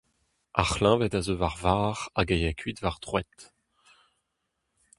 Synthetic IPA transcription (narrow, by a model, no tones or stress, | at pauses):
ʔa̰χlɛ̃vɛtazovaʁvaːʁaɡajakʰɥitvaʁd̪ʁwɛt̪